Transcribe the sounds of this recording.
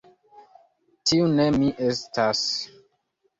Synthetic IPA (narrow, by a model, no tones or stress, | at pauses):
tiunemiʔestas